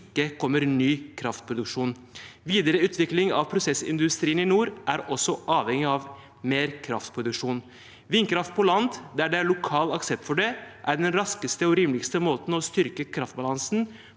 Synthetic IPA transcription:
kːəkʰɔmːəɾnyːkʰɾɑft̪̚pʰɾʊd̪ʉkʂuːn | ʋiːd̪əɾəʉːt̪ʋɪklɪŋɑ̰ʋpʰɾʊsɛsɪ̰nd̪ʉst̪ɾiːənɪnuːɾʔæɾɔsːɔʔɑːʋhɛŋɪɑʋ | meːɾkʰɾɑ̰ft̪pʰɾʊd̪ʉkʂuːn | ʋɪnkʰɾɑft̪̚pʰɔlɑnd̪d̪æɖɛæɾɭʊkʰɑːlɑksɛp̚t̪fɔɖɛʔæɾɖɛnɾɑskəst̪əɔɾiːmlɪɡst̪əmoːt̪n̩ɔst̪ʏɾkəkʰɾɑft̪̚bɑlɑnsn̩

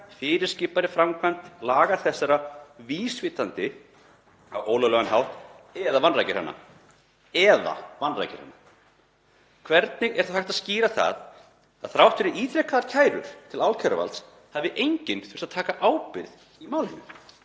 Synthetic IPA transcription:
fɪːɾɪɾ̥scɪːpaɾɪfɾamkʰvant̪laːɣaθɛsːaɾaviːsvɪːt̪ant̪ɪ | awʔoːwlœɣlœɣanɦawht̪ | ɛðavanrajcɪɾ̥ha̰nːa̰ | ɛða̰vanra̰jcɪ̰ɾha̰nːa | kʰvɛɾt̪̚nɪɣɛɾ̥θafhajht̪aðsciːɾaθa̰ð | aðθɾawht̪fɪɾɪiːt̪ɾɛhkaðaɾcʰaːjɾʏ̰ɾ̥t̪ʰɪlawlcʰɛɾʏ̰va̰lt̪s | havɪʔejɲcɪnθʏɾ̥sat̪ʰaːkaʔaːwpɪɾð | imaːwlɪnːʏ

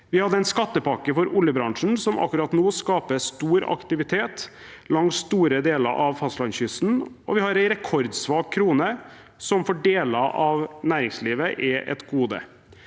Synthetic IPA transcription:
ʋɪhɑd̪ːəæɪnskɑt̪ːəpɑkəfɔɾʊljəbɾɑŋʂɳn̩sɔmʔɑ̰kːʉɾɑt̪noːskɑːpəst̪uːɾɑ̰kt̪ɪʋɪt̪ʰeːt̪ | lɑŋsst̪uːɾəd̪eːlə̰ɾʔɑ̰ʋfɑslɑnçʏsn̩ | ɔ̰ʋɪhɑɾæɪɾɛkʰɔɾd̪sʋɑːkʰːɾuːnə | sɔmfɔɖeːləʔɑʋnæːɾɪŋsliːʋəʔɛʔɛ̰t̪ɡuːd̪ə̰

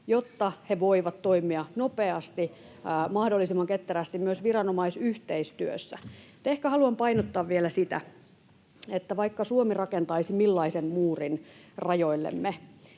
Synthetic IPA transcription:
jot̪ːɑheʋoiʋɑt̪toimiɑnopeɑst̪iː | mɑhdolːisimːɑŋket̪ːeræst̪immyøsʋirɑnomɑisyht̪eist̪yø̰sːæut̪ehkæhɑluɑmpɑinot̪ːɑːʋʋielæsit̪æ̰ | et̪ːæʋɑikːɑsuomirɑkent̪ɑisimilːɑisemmuːrinrɑjoilːḛmːe

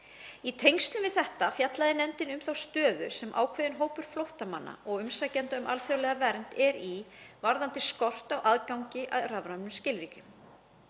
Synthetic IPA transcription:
it̪ʰejŋst̪lʏmvɪðθɛht̪afjat̪laðɪnɛnt̪ɪnʏmθawst̪œːðʏɾ̥sɛmʔa̰ːwkʰvɛːðɪnɦoːwpʏɾ̥flowht̪ama̰nːa̰ɔɣʏmsacɛnt̪aʏmʔa̰lfjawlɛɣavɛɾn̥t̪ɛɾivaɾðant̪ɪskɔr̥t̪awʔaðkawɲcɪʔaðravɾannʏmscɪlɾiːcʏm

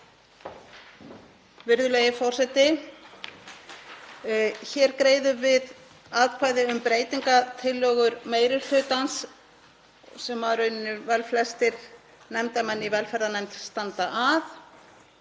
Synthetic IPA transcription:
vɪɾðʏlejɪfɔr̥sɛt̪ɪ | çɛɾkɾeːjðʏvɪð | aːðkʰvaːjðɪʏmpɾeːjt̪iŋkat̪ʰɪlːœːɣʏɾmeːjɾɪɾl̥ʏːt̪ans | sɛmvaɾœɥnːɪvɛlflɛst̪ɪɾ | nɛmt̪amɛnːivɛlfɛɾðanɛmt̪st̪ant̪aʔaθ

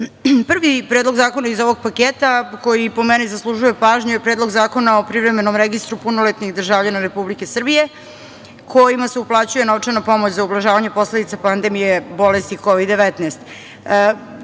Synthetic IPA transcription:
pr̩ʋipɾeːd̪lˠo̞ɡzaːko̞naizo̞ʋo̞ɡ̚pakeːt̪ako̞jipo̞mɛnizaslˠuʒuje̞paːʒɲuje̞pɾed̪lˠo̞ɡzaːko̞naopɾiʋvɾe̞me̞nomɾeɡist̪ɾupunolet̪nixd̪r̩ʒaːvʎanaɾe̞publike̞sr̩bije̞ | kʰo̞jimaseuplˠaːt͡ɕuje̞noʋt͡ʂenapo̞mot͡ɕzaublˠaʒaːʋaɲe̞po̞sle̞d̪it̪sapand̪e̞mijebo̞lest̪ikoʋid̪dːe̞ʋɛt̪neːst̪ː

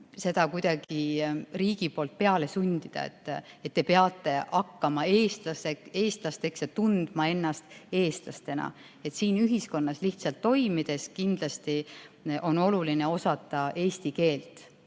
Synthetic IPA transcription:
se̞d̪̥ɑkujd̪̥ɑɡ̥iriːɡ̥ipo̞ːlt̪̚pe̞ɑle̞sunʲd̪̥id̪̥ɑ̰ḛt̪ːˑ | et̪ːe̞peɑt̪ˑːe̞ʔɑkːɑmɑe̞ːst̪lɑseeːst̪lɑst̪e̞ksjɑt̪und̪̥mɑe̞nːɑst̪e̞ːst̪lɑ̰st̪e̞nɑ̰ | e̞t̪siːnyɦisko̞nːɑsliht̪sɑlt̪ːo̞jmid̪̥e̞skind̪̥lɑst̪iʔo̞no̞luline̞o̞sɑt̪ːˑɑʔe̞ːst̪ike̞ːlt̪ˑ

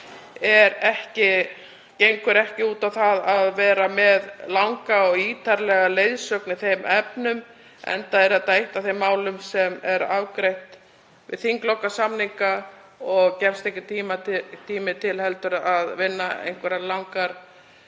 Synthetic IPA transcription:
ɛɾɛhcɪ | cejŋkʏɾɛhcɪuːt̪awθaðaðvɛːɾamɛðlawŋkaɔɣiːt̪ʰaɾlɛɣalejðsœknɪθejmɛpnʏm | ɛ̰nt̪aɛɾɛt̪ajht̪aθemːaːwlʏmsɛmɛɾavkɾejht̪ | vɪ̰ðθiŋklɔwkːasamniŋka | ɔɣcɛfst̪ehcɪt̪ʰiːmat̪ʰiːmɪt̪ʰɪlhɛlt̪ʏɾaðvɪnːaḛjŋ̥kvɛɾalawŋkaɾ̥

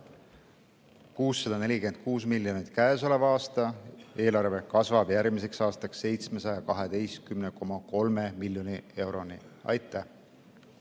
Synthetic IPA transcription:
kuːsːɑd̥̪ɑne̞lʲike̞nd̪̥̚kuːs̬miljo̞nit̪kæːso̞le̞vɑɑːst̪ɑe̞ːlɑrve̞kɑsvɑb̥jæɾɡmise̞ksɑːst̪ɑksːe̞jt̪sme̞sɑjɑkɑɦed̪̥e̞jst̪̚kymne̞ko̞mɑko̞lme̞milʲjo̞nie̞wɾo̞niɑ̰jt̪ːˑæh

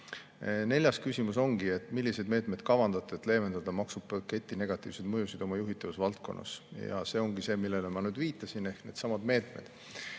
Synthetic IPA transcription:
ne̞lʲjɑskysʲimuso̞ŋɡ̥ie̞t̪ˑːmilʲːise̞d̪me̞ːt̪ˑme̞d̪̥kɑvɑnd̪̥ɑt̪ːˑet̪le̞ːme̞nd̪̥ɑd̪̥ɑmɑksub̥̚pɑke̞t̪ʲːˑine̞ɡ̥ɑt̪ːˑiːvsed̪mɤjusid̪̥o̞mɑjuɦit̪ːˑɑvusvɑlt̪̚ko̞̰nːɑ̰sjɑ̰se̞o̞ŋɡ̥ise̞ːmilːelemɑnyːd̪viːt̪ːˑɑsine̞hkne̞ːd̪sɑmɑd̪me̞ːt̪ˑme̞̰d̪̥

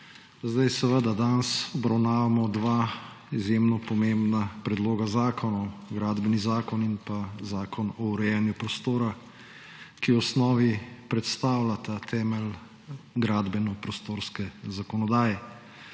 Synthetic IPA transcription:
zd̪ajsɛʋəd̪ad̪ansɔbɾawnaːʋamɔd̪ʋaː | izjemnɔpɔmẽmbnapɾɛd̪loːɡazaːkʰɔnɔwɡɾaːd̪bɛnizaːkɔninpazaːkɔnɔuɾɛjɛnjupɾɔst̪oːɾa | kiɔsnɔːʋipɾɛt̪st̪aːwlat̪at̪ʰɛːmɛl | ɡɾaːd̪bɛnɔpɾɔst̪oːɾskɛzakɔnɔd̪aːjɛ

